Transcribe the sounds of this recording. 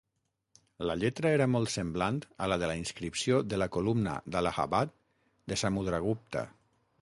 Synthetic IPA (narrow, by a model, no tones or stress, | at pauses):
laʎet̪ɾaeɾamɔlˠt̪semblant̪alaðelainskɾipsjoðelakolumna̰d̪alaɣa̰βat̪̚ | d̪esamuðɾaɣ̞up̚t̪a̰